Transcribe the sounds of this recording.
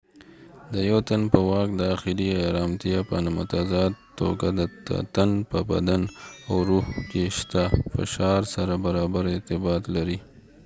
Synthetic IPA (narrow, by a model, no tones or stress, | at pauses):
d̪əjawt̪anpəwɑk̚d̪əaxɪliaɾɑmt̪ijapənamʊt̪azɑd̪t̪ːo̰ɡad̪ə̰t̪anpəba̰d̪anawɾuhkeʃt̪afɪ̰ʃɑɾsaɾabaɾɑbaɾɛɾt̪ɪbɑt̪laɾi